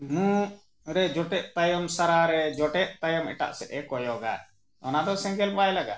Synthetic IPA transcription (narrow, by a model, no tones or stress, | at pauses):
mũ | ɾɛd͡ʒɔʈɛʔ̚t̪ajɔmsaɾaɾɛd͡ʒɔʈɛʔ̚t̪ajɔmɛ̰ʈa̰ʔsɛʔɛkɔjɔɡa̰ | ɔ̰nad̪ɔsɛ̃ŋɡɛlbajlaɡa̰ʔ